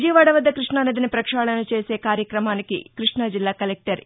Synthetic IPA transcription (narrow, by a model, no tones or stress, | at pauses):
d͡ʒiːʋaːɽɐʋɐd̪ːɐkɾiʂɳanid̪inipɾɐkʂaːɭɐnut͡ʃe̞ːse̞ːkaːɾjɐkɾɐmaːnikḭkɾiʂɳɐd͡ʒilːaːkɐlek̚ʈɐɾ